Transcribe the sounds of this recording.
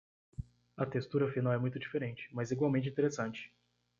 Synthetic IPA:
ɐt̪est̪uɾɐfinawɛmũj̃t̪ʊd͡ʒifeɾẽnt͡ʃɪ̥mɐziɡwawmẽnt͡ʃɪĩt̪eɾesɐ̃nt͡ʃɪ̥

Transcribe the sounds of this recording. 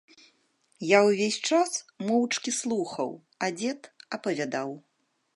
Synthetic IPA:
jawvʲesʲt͡ʂasmɔwt͡ʂkʲislˠuxɐ̰w | ad͡zʲɛt̪ɐpɐvʲad̪aw

